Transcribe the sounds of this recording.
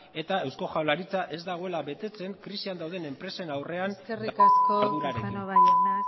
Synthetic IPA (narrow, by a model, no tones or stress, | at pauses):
e̞t̪ae̞wsko̞ʝawlaɾit͡saʔe̞zd̪aɣ̞o̞e̞laβe̞t̪e̞t͡se̞ŋkɾisiand̪awðe̞ne̞mpɾe̞se̞nawre̞anerikaskoðuɾaɾe